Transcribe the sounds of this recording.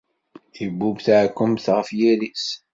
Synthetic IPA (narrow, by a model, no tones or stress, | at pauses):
ibːubθʕkːəmθʁəfjilis